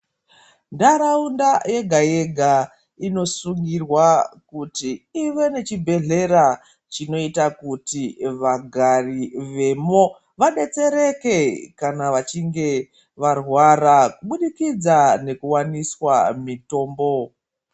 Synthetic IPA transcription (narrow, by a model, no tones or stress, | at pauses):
ndaɾaundaje̞ɡʱaje̞ɡʱa | ino̞suŋɡirwakutiːʋe̞ne̞t͡ʃibʱe̞ɮe̞ɾa | t͡ʃino̞itakutiʋaɡʱariʋe̞mo̞ | ʋaɗe̞t͡se̞ɾe̞ke̞kanaʋat͡ʃiŋɡe̞ | ʋarwaɾakuɓuɗikid͡zane̞kuwaniswamito̞ːmbo̞